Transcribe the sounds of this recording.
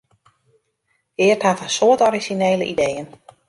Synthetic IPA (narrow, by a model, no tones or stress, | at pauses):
ɪəthatənsoətɔɾizineːləʔḭdejən